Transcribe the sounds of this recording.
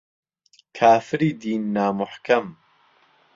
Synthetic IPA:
kʰaːfɨɾiːd̪iːnːaːmʊħkʰɐm

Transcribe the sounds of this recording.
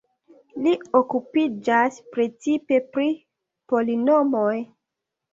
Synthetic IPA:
liokupid͡ʒaspɾe̞t͡sipe̞pɾi | po̞linomoj

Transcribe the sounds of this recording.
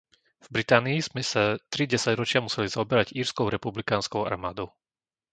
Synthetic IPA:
vbɾit̪aːniiz̥mɛsat̪ɾiɟɛsaɟɾɔt͡ʃɪamusɛlizaɔbɛɾaɟiːɾskɔʊɾɛpublikaːnskɔʊa̰ɾmaːd̪ɔʊ

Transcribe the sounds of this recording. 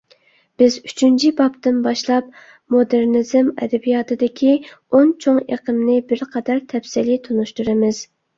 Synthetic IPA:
b̥ɪzy̥t͡ʃʰynt͡ʃʰibɑpt̪ɨnbɑʃlˠɑp̚ | mod̪ɪɾnɪzɪmɛ̰d̪ɛbijɑt̪ʰɨd̪ɪkʲʰi | ont͡ʃʰoŋḛqʰɨmnɪbɪɾqʰɑd̪ɑɾt̪ʰɛpsɪlit̪ʰunuʃt̪uɾɨmɪz̥

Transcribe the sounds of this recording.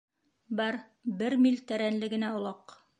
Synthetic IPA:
bɑɾ | bɘɾmilt̪æɾænlɘ̆ɡɘ̆næŏlˠɑq

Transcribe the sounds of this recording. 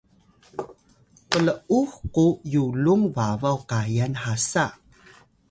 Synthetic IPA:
pələuxkujuluŋvavawkajanħasa

